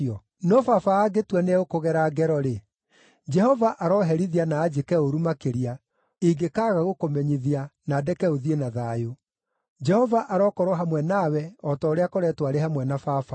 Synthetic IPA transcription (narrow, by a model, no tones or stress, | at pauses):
ɔ | nɔfafaːɡetwɛneokoɣɛɾaɡɛɾɔɾe | d͡ʒɛhɔvaʔaɾɔɦɛɾiðianaːd͡ʒekɛoɾumakeɾia | iɡekaːɣaɣokomɛɲiðianadɛkɛoðienaðaːjo | d͡ʒɛhɔvaʔaɾɔkɔɾwɔɦamwɛnawɛɔtɔoɾeakoɾɛtwaɾeɦamwɛnafafa